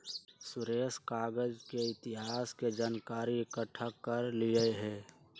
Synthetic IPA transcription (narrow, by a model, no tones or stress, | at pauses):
sʊɾeːskaːɡəd͡ʒkeɪt̪ɪɦaːsked͡ʒaːnkaːɾiɪkəʈʰakːəɾlijəɦɛː